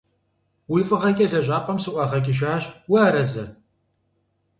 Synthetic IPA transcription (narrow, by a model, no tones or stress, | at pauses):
wijfʼɨʁɐkʲʼɐzɐʑʷʼaːpʼɐmsɨʔʷɑʁɐkʲʼɪʃ̬aːɕwʊaːɾɐzɐ